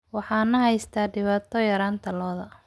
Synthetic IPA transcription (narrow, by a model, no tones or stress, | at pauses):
wɑħɑːnɐɦɛjst̪ʰaːɖɪβaːt̪ʰɔjɐɾaːnt̪ʰɐlɔːðɐ